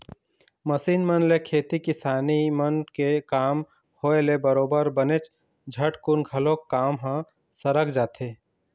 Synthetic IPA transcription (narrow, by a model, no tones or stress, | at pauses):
mɐsiːnmənlekʰeːt̪ikɪsaːnimənkekaːm | hoːelebəɾoːbəɾbənet͡ʃ | d͡ʒʱɐʈkʊnɡʱɐlõkːaːmɦã | səɾəkʰd͡ʒaːt̪ʰeː